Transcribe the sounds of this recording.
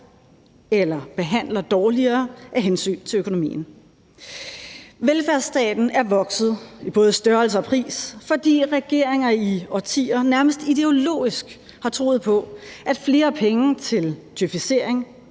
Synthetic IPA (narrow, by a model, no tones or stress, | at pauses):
elɐb̥e̝ɦæn̰lɐd̥ɒːliɐːʔæɦensy̰ːnt͡sʰe̝økʰo̝no̝mḭːn̩ | ʋelfæɐsd̥ɛ̰ːd̥n̩æɐʋɒ̽ɡ̥sð̞̩ˠib̥ɔ̽ːð̞̩ˠsd̥ɶɐl̩s̬əɒ̽pʰʁḭːsfɒ̽d̥ḭːʁɛɡ̥e̝ɐ̰eŋɐiɒt͡sʰḭːɐnæɐməsd̥id̥e̝o̝lo̝̰ːisɡ̥ | hɑ̈t͡sʰʁo̝̰ːð̩ˠpʰɒ̽ʔæd̥fle̝ːɐpʰeŋət͡sʰe̝lt͡sʰyfise̝ɐ̰eŋ